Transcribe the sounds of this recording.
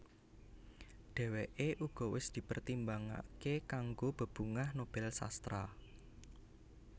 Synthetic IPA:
ɖ̥ɛ̤weʔeʔuɡ̥ɔ̤wɪsd̪̥i̤pərt̪imbaŋa̰kekaŋɡob̥ə̤b̥uŋahnob̥ɛlsa̰st̪ɾa

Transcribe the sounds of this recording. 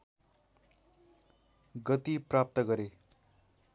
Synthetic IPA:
ɡʌt̪iprap̚t̪ʌɡʌɾe

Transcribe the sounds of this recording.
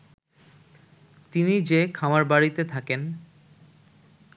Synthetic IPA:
t̪inid͡ʑekʰamaɾbaɽit̪et̪ʰaken

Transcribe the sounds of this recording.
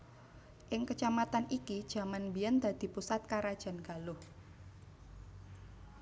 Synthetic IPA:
ʔɪŋkət͡ʃamat̪anikid̥ʒ̥ä̤manbijand̪̥a̤d̪̥i̤pusat̪̚kaɾad̥ʒ̥a̤nɡ̥a̤lʊh

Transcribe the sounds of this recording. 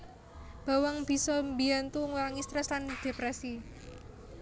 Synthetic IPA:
b̥a̤waŋb̥i̤sɔmbiant̪uŋulaŋist̪ɾɛsland̪̥e̤pɾɛsi

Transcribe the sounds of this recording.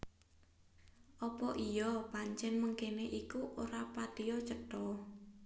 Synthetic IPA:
ʔɔpɔʔijɔpaɲt͡ʃɛnməŋkeneʔikuʔoɾapad̪̥ijɔt͡ʃəʈɔ

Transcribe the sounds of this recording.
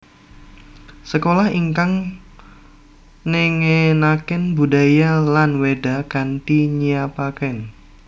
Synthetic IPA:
səkolahiŋkaŋ | neŋenakɪnbudajalanweda̤kant̪iɲiapakɛn

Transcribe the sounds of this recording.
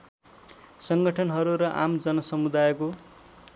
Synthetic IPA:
sʌŋɡʌʈʰʌnɦʌɾuɾʌʔa̰md͡zʌnʌsʌmud̪ajko

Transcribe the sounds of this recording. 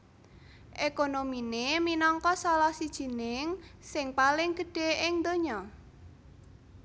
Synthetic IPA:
ʔekonomineminɔŋkɔsɔlɔhsid̥ʒ̥i̤nɪŋsɪŋpalɪŋɡ̥ə̤ɖ̥e̤ʔɪŋd̪oɲɔ

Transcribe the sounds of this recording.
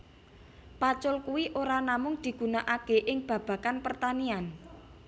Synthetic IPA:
pat͡ʃʊlkuwiʔoɾanamʊŋd̪̥i̤ɡ̥ṳnaʔakeʔɪŋb̥ä̤b̥a̤kanpərt̪anian

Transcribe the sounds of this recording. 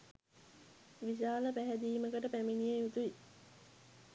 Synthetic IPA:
ʋiʃ̬aːləpæɦæd̪iːməkəʈəpæminijejut̪ui

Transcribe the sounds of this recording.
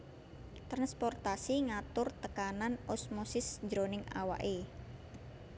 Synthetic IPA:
t̪ɾanspɔrt̪asiŋat̪ʊrt̪əkananosmosɪsd͡ʒɾonɪŋa̰wa̰ʔe

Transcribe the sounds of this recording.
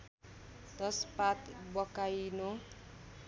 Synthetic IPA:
d̪ʌspat̪bʌkajno

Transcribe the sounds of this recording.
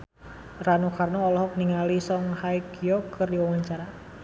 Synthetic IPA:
ranukarnɔɔlɔɦɔk̚niŋalisɔŋhajkjɔkʰɨrdiwawaɲt͡ʃaɾa

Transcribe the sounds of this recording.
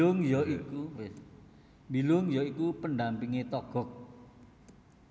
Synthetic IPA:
ʊŋjɔiku | mbilʊŋjɔikupənɖampiŋet̪ɔɡ̥ɔ̤k̚

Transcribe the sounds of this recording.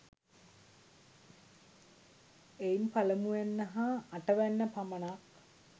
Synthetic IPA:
eimpɐləmuʋenːɐɦɐːʈəʋænːəpɐmɐnak

